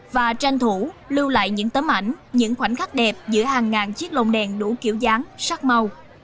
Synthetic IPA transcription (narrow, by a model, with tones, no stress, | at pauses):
vaː˨˩t͡ɕa˧jŋt̪ʰu˧˩˦lɨ˧wla̰ː˧˨jɲɨ̰˧˥ŋt̪əː˨˦mʔa̰˧˩jŋ̟ɲɨ̰˧˥ŋxwa˧˩jŋ̟xa˦˥k̚ɗɛ˨˩p̚zɨ̰˧˥əhaː˨˩ŋːaː˨˩nt͡ɕi˦˥ək̚lo̰˧˨ŋ͡mɗɛ˨˩nɗu˧˩ki˧˩əwzaː˨˦ŋsa˦˥k̚ma˧w